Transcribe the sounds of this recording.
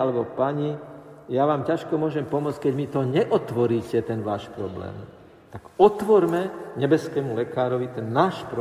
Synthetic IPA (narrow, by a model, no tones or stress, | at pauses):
alɛbɔpaɲi | jaʋaːmcaʃkɔmʊɔʒɛmpɔmʊɔt͡scʲkɛɟmit̪ɔɲɛʔɔt̪ʋɔɾiːcɛt̪ɛnʋaːʃpɾɔblɛ̰ːm | t̪aɡɔt̪ʋɔɾmɛɲɛbɛskɛːmulɛkaːɾɔʋit̪ɛnːaːʃpɾ